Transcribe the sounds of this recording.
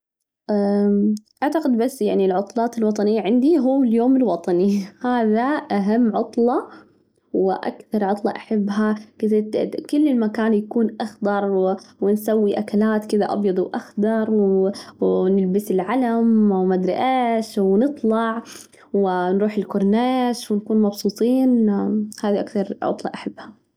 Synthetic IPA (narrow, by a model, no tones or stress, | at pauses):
ʔa | ʔaʕt̪aqɪd̪basːjaʕnilʕʊt̪ˤlɑːt̪ɪlwɑt̪ˤɑnɪjːaʕɪnd̪iɦuːɪljoːmɪlwɑt̪ˤɑnihaːðaʔaɦamːʕʊt̪ˤlɑ | wɪʔa̰kθɑɾˤʕʊt̪ˤlɑʔaħɪbːɦakɪtɪkʊlːɪlmakaːnjakuːnʔɑxd̪ɑɾˤwwɪnsawːiʔakalaːt̪kɪd̪aʔɑ̰bjɑd̪ˤwʔaxd̪ɑɾˤw | nɪlbɪsɪlʕalamwmad̪ɾɪʔeːʃwnɨt̪ˤlɑʕ | wɪnɾuːħɪlkʊɾˤnaːʃwɪnkuːnmɑbsuːt̪ˤiːnhaːðiʔakθɑɾˤʕʊ̰t̪ˤlɑʔaħabːha